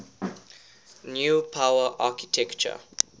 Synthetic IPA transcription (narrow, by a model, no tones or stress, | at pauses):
njuːpʰaʊəʔaːkitʰɛkt͡ʃə̰